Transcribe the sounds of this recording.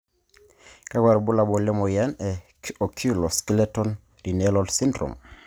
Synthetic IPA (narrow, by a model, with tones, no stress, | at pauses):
ka˦ɡwa˨ɾbu˦la˨bɔ˨lɛ˦mɔ˨ja˦nɛ˨ | kʔo˨kʰu˦lɔ˨ski˦lɛ˦tɔ˦n | ɾi˨nɛ˦lɔ˦lsi˦ndɾo̰˨m